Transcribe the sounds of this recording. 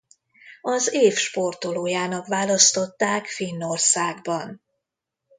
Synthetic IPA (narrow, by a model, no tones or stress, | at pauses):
ɒzeːfʃpo̞rt̪oloːjaːnɒkʋaːlɒst̪o̞t̪ːaːkfinːo̞rsaːɡbɒn